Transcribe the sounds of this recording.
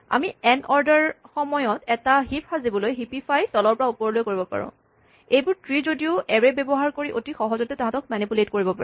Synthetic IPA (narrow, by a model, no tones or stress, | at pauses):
a̰miɛnɔɹdaɹxɔmɔjɔtɛtaɦipʰhazibɔlojɦipipʰajsɔlɔɹpɔɹaupɔɹlojkoɹibɔpa̰ɹɔ̰̃ | ejbʊɹtɹizodiʊʔɛɹɛbɛbɔɦaɹkoɹiʔotixɔɦɔzɔtɛtaɦãtɔk̚manipuletkoɹibɔpaɹɛ